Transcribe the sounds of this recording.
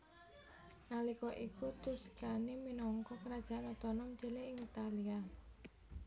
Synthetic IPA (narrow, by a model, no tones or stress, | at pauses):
nalikɔʔikut̪uskaniminɔŋkɔkəɾad̥ʒ̥a̤ʔanɔt̪ɔnɔmd͡ʒeleɪŋit̪alia